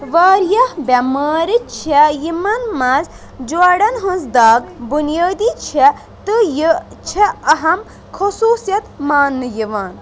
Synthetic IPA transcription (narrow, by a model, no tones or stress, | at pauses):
ʋaːɾjɐhbʲɐmaːɾit͡ʃʰɛjimɐnmɐz | d͡ʒwaɽɐnɦɐ̃nsd̪aːɡbunijaːd̪it͡ʃʰɛ | t̪ɨji | t͡ʃʰɛɐɦɐm | kʰosuːsjɐt̪maːnːɨjiʋaːn